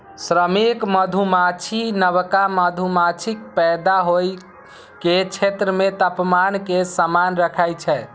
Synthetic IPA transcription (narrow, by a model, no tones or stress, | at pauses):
sɾəmikməd̪ʱumat͡ʃʰinəβkaməd̪ʱumat͡ʃʰik̚pɛd̪aɦoj | ket͡ʃʰet̪ɾəmet̪əpmankesamanɾəkʰajt͡ʃʰɛ